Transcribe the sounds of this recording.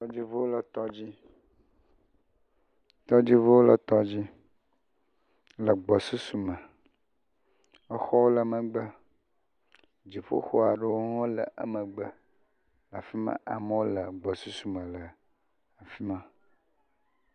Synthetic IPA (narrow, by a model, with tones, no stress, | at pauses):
t̪ɔ˦d͡ʑi˦vo˦wo˦lə˨t̪ɔ˦d͡ʑi˦ | t̪ɔ˦d͡ʑi˦vo˦wo˦lə˨t̪ɔ˦d͡ʑi˦ | lə˨ɡ͡bɔ˨su˦su˨mə̃˨ | ə˦xɔ˦wo˦lə˨mə̃˨ɡ͡bə˦ | d͡ʑi˨ɸo̰˦xo˦a˨ɖə˦wo˦ŋɔ̃˦lə̰˨ʔə̰˦mə̃˨ɡ͡bə˦ | la˨fi˦mã̰˦ʔa˨mə˦wo˦lə˨ɡ͡bɔ˨su˦su˨mə̃˨lə˨ | a˨fi˦mã˦